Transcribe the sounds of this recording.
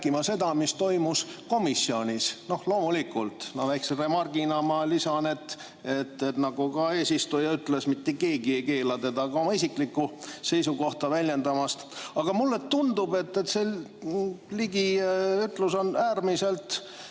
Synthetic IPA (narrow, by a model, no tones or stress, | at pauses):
kimɑse̞d̪ɑmist̪o̞jmusko̞misːio̞nʲisno̞hlo̞ːmulikult̪nɑlæjksinre̞mɑrɡ̥inɑmɑlisɑne̞t̪ːˑ | e̞t̪ːet̪nɑɡ̥ukɑe̞ːsist̪ujɑyt̪le̞smit̪ːeke̞ːɡiejke̞ːlɑt̪e̞d̪ɑɡɑo̞mɑisikˑlikːuse̞jsuko̞ht̪ɑvælʲje̞nd̪ɑmɑst̪ɑɡ̥ɑmulːe̞t̪und̪ube̞t̪ːet̪se | liɡiyt̪ˑluso̞næːrmise̞lt̪